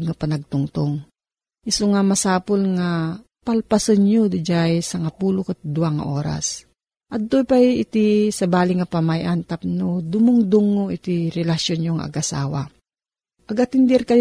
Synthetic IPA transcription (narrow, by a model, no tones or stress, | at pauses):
ɡ̚ŋɐpɐnɐɡ̚t̪ʊŋt̪oŋ | ʔɪsoŋamɐsaːpolŋa | pɐlpasɐnɲod̪ɪd͡ʒajsɐŋɐpuːlokat̪̚d̪ʊaŋɐ̰ʔo̰ːɾa̰s | ʔɐd̪̚t̪opajɪt̪isɐbaːlɪŋɐpamajʔant̪ap̚nod̪ʊmʊŋd̪ʊŋːoʔɪt̪iɾɛlɐʃjonɲoŋa̰ʔɐ̰ɡʔɐsa̰ːwa̰ | ʔɐɡɐt̪ɪnd̪ɛɾkɐj